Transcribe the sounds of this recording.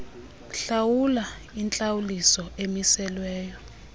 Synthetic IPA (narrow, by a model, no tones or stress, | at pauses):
ɬawula | int͡ɬʼawulisɔemisɛlwɛːjɔ